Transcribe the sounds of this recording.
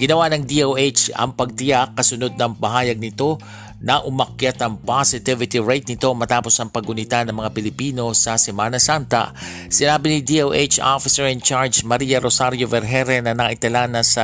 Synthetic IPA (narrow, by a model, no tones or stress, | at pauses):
ɡ̥ɪnɐwanɐŋd̪iʔowʔet͡ʃɐ̰ŋpɐɡ̚t̪ɪjakːɐsʊno̞d̪̚nɐŋpɐɦaːjɐɡ̚nɪt̪o̞ | nɐʔʊmɐkjat̪ɐŋpasɪt̪ɪvɪt̪iɹajt̪nɪt̪o̞mɐt̪aːpo̞sɐŋpɐɡʊnɪt̪anɐŋmɐŋapɪlɪpiːno̞sɐsɛmaːnɐsant̪ɐ̰ | sɪnaːbɪnɪd̪iʔowʔet͡ʃo̰fɪsɛɹɛnt͡ʃaɹd͡ʒmɐɾijɐɾosaɾjo̞vɛɾɦɛɾɛnɐnɐʔɪt̪ɐlanɐsɐ